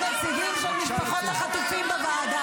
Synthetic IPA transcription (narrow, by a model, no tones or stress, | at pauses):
masiɡimʃelmiʃpaχot̪haχat̪ufimbavaːd̪a